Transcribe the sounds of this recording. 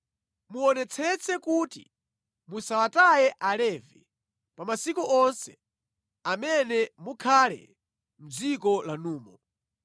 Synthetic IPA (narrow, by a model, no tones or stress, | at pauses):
muɔnɛt͡sʰɛt͡sʰɛkutḭ | musawatajɛʔalɛːvɛ | pamasikuʔɔnsɛ̥ | amɛnɛmukʰalɛ̰ | m̩d͡zikɔlanuːmɔ